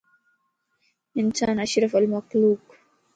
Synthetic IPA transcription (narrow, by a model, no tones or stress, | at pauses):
ʔɪnsaːnʔaʃɾɑfalmaqluːq